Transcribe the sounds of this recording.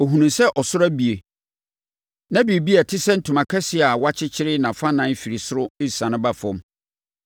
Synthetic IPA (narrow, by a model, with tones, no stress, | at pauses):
o˨ɦũ˨nũ˨msɛ˦ʔɔ˨sʊ˦ɾæ˦bi˨e˨ | nã˦bi˨bi˦a˨tʰɪ˦sɛ˦n̩˦tʰũ˨mã˨kʰɛ˦sɪ˨˦a˨wa˦t͡ɕʰɪ˦t͡ɕʰɪ˦ɾɪ˦nã˨fã˦nã˦fi˨ɾi˨sʊ˦ɾʊ˦ɪ˦ssã˨nɪ̃˦ba˦˨fɔ̃˦m